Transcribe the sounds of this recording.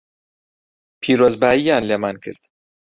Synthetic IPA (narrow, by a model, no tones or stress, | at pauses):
pʰiːɾoːzbaːjijaːnleːmankʰɨ̰ɾd̪̥